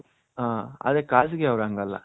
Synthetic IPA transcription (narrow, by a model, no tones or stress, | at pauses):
aːɐ̰ðekaːs̬ɯkːeɐʋɾaːŋɡɐlːa̰